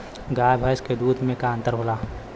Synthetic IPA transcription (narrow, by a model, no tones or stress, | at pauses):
ɡaːjbʱəjsked̪uːd̪ʱmẽkaə̃nt̪əɾɦoːlaː